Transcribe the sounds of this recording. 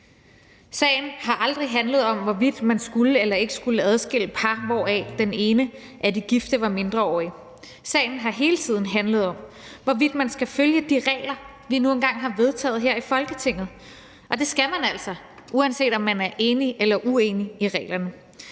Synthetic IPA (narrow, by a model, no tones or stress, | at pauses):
sɛ̰ɪn̩hɑ̈ʔɑ̈ld̥ʁiɦænləð̩ˠɒ̽mʋɒʋid̥mænsɡ̥uləelɐe̝ɡ̥əsɡ̥uləæð̞ˠsɡ̥e̝l̰əpʰɑʋɒ̰ːɛ̰d̥ene̝ːnə | ʔæd̥iɡ̥ifd̥əʋɑ̈me̝nd̥ʁɐɒ̰ːi | sɛ̰ːɪn̩ɦɑ̈ɦe̝ːlət͡sʰið̞̰ˠn̩ɦænləð̩ˠɒ̽m̰ | ʋɒʋid̥mænsɡ̥æføljəd̥iʁɛ̰ːlɐ | ʋinue̝nɡ̥ɑ̈ŋ̰ɦɑ̈ʋe̝ð̞ˠt͡sʰɛ̰ːð̞̩ˠɦeɐ̰ifɒ̽lɡ̥ət͡sʰe̝ŋ̰ð̞̩ˠ | ʔɒ̽d̥e̝sɡ̥æmænæl̰sɒ̽ | ʔuænse̝̰ːd̥ɒ̽mːænæɐʔe̝ːniʔelɐʔueːniiʁɛ̰ːlɐnə